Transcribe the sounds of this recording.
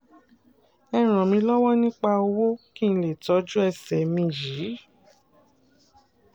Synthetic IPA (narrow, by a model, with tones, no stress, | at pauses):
ɛ˧ɾ̃ɔ̃˨mĩ˧˦lɔ˦wɔ˦nĩ˦k͡pa˦˧o˧wo˦kĩ˦˧n̩˦le˦˨tɔ˨˧˦d͡ʒu˦ɛ˧˨sɛ˨mĩ˧˨ji˨˦